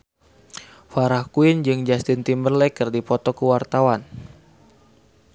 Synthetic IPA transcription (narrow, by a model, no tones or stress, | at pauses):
faɾahkuind͡ʒɨŋd͡ʒast̪int̪imbərlɛkɨrdipɔt̪ɔkuwart̪awan